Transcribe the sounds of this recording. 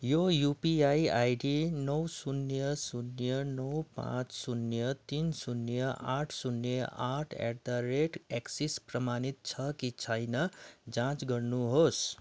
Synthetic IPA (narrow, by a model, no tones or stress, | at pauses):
jojupiajajɖinʌwsunjʌsunjʌnʌwpã̰t͡sʰsunjʌt̪insunjʌʔa̰ʈʰsunjʌʔaʈʰḛrt̪aɾeʈeksisprʌmanit̪̚t͡sʰʌkit͡sʰʌjnʌd͡zãt͡sɡʌrnuɦos